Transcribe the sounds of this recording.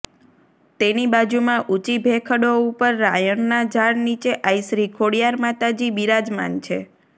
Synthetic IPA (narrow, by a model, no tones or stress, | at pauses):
t̪enibad͡ʒumãʔut͡ʃibʱekʰəɽoupəɾːajəɳːad͡ʒʱaɽnit͡ʃeʔajʃɾikʰoɽijaɾmat̪ad͡ʒibiɾad͡ʒma̰nt͡ʃʰe